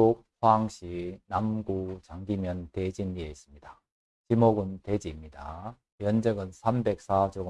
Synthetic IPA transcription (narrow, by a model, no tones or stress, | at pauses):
ok̚ɸaaŋɕ͈inamɡut͡ɕaŋɡimjʌnte̞d͡ʑinːieis͈ɯmɲid̥a | t͡ɕimoɡɯnted͡ʑimɲida̰ | jʌnd͡ʑʌɡɯnsʰambe̞k̚s͈ʰad͡ʑoɡ